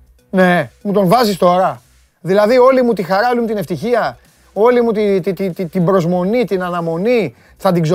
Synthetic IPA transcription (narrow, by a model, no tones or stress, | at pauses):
ne̞mut̪o̞ɱvɐzist̪o̞ɾɐ | ðilɐðio̞limut̪ixɐɾɐolimut̪ine̞ft̪içiɐ | o̞limut̪it̪it̪it̪it̪imbɾo̞zmo̞nit̪inɐnɐmo̞ni | θɐd̪iɡzo